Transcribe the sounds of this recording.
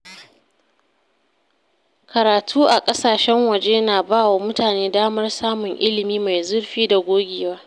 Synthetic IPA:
kɐ˨ɾaː˨tʰuː˦ʔa˨kʼɐ˦saː˨ʃɛ˦ŋwɐ˨d͡ʒeː˦naː˨baː˦wa˨mʊ˦taː˨neː˦daː˦mɐ˦rsaː˦mʊ˨ŋʔɪ˦lɪ˨miː˦ma˨jzʊ˦rɸiː˦da˨ɡʷoː˦ɡʲeː˨waː˦

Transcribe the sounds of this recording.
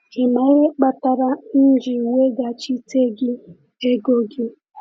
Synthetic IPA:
ɪ˨ma˦ɾe˦k͡pa˦ta˦ɾa˦n̩˦d͡ʒɪ˨we˦ɡa˨t͡ʃi˦te˦ɡɪ˦ | e˦ɡo˦ɡɪ˦

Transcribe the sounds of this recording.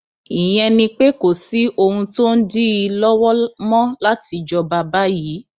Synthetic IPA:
i˨j̃ɛ̃˧nĩ˧k͡pe˦ko˨si˨˦ʔo˧hũ˧to˦n̩˦di˦i˧lɔ˦wɔ˦mɔ̃˦la˦ti˧d͡ʒɔ˧ba˧ba˦ji˨˦

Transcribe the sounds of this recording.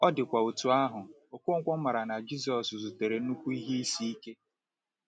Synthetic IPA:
ɔ˦dɪ˨kʷa˨u˨tu˨a˦ɦʊ˨ | o˨kʷʊ˦ŋ̩˦kʷɔ˦ma˨ɾa˨na˨d͡ʒi˦z̬ɔ˨szu˨te˨ɾe˨˦u˦kʷu˦i˦ɦi˦i˦si˦i˦ke˦

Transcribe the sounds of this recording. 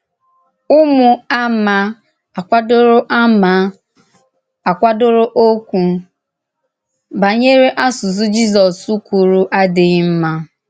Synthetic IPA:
ʊ˦mʊ˨a˦ma˦ | a˨kʷa˦dʊ˦ɾʊ˦ʔa˦ma˦ | a˨kʷa˦dʊ˦ɾʊ˦ʔo˦kʷu˨ | ba˨ɲe˦ɾe˦ʔa˦sʊ˨zʊ˦d͡ʒi˦zɔ˨su˦kʷu˨ɾu˦ʔa˦dɪ˨ɣm̩˦ma˦

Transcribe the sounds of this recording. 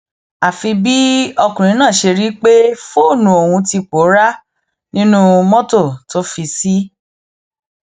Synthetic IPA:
a˨fi˧bi˦ɔ˧kũ˨ɾ̃ĩ˨˦nãː˦˨ʃe˧ɾi˦k͡pe˦fo˦˨nũ˨˦o˨wũ˧ti˧k͡po˨˦ɾa˦ | nĩ˦nũ˦mɔ̃˦to˦˨to˦fi˧si˦

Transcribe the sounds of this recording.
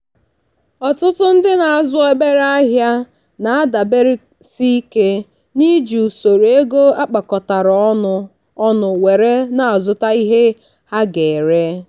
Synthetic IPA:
ɔ˨tʊ˦tʊ˦n̩˦dɪ˦na˨a˨zʊ˦e˦be˦ɾa˦ɦja˦ | na˨a˦da˨be˦ɾi˦ | si˦ke˦ | ni˦d͡ʒu˨so˨ɾe˦ɡo˦a˦k͡pa˨kɔ˨ta˨ɾɔ˨˦ʊ˦ | ɔ˦nʊ˨we˨ɾe˦na˨a˨zʊ˨ta˦i˦ɦe˦ | ha˦ɡe˨ɾe˦

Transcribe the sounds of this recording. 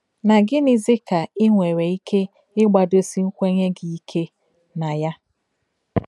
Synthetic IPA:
na˨ɡɪ˦nɪ˨zɪ˦ka˨ɪ˦ŋʷe˨ɾe˨i˦kʰe˦ | ɪ˦ɡ͡ba˨do˦si˦ŋ̩˦kʷe˦ɲe˦ɡi˨i˦kʰe˦ | na˨ja˦

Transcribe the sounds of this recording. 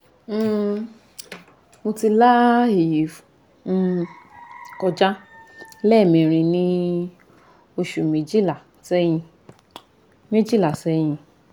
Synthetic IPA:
mo˧ti˧la˦e˨ji˨˦fu˨˦˧ | kɔ˧d͡ʒa˦lɛ˦˨mĩ˨ɾ̃ĩ˧˨nĩ˧ | o˧ʃu˨mĩ˨˦d͡ʒi˦la˨ | sɛ˦j̃ĩ˧ | mĩ˦d͡ʒi˦˨la˨sɛ˧˦j̃ĩ˧

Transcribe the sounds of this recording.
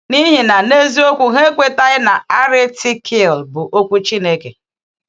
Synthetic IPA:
ni˦ɦi˨na˨ne˦zi˦o˦kʷu˨ɦe˦kʷe˦ta˦ɣɪ˦na˨a˦ɾɪ˦ti˦kʰi˦˨lbʊ˨ʔo˦kʷu˦t͡ʃi˦ne˦ke˨

